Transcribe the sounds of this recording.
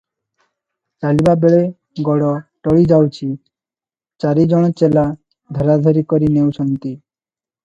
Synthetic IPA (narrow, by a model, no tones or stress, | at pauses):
t͡ɕalibabeɭe | ɡɔɽɔʈɔɭid͡ʑawt͡ɕʰi | t͡ɕaɾid͡ʑɔɽ̃ɔt͡ɕela | d̪ʱɔɾad̪ʱɔɾikɔɾinewʃɔnt̪i